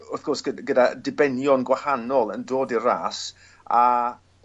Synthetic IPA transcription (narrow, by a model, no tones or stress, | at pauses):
ʊθɡ̥ɔsɡ̥əɡədadɪbɛnjɔnɡwahanɔlˠəndoːdira̰ːs | a